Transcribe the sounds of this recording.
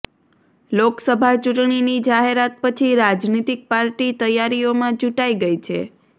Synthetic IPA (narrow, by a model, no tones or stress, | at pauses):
loksəbʱat͡ʃuʈɳ̃inid͡ʒaɦeɾat̪̚pət͡ʃʰiɾad͡ʒnit̪ik̚paɾʈit̪əjaɾiomãd͡ʒuʈaiɡəjt͡ʃʰḛ